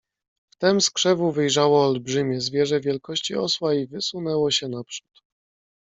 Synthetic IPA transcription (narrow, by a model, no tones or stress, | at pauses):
ft̪ɛmskʂɛvuvɘjʐawɔːlbʐɘmʲjɛzvʲjɛʐɛvʲjɛlkɔɕt͡ɕiɔswaivɘsunɛwɔɕɛnapʂu̥t̪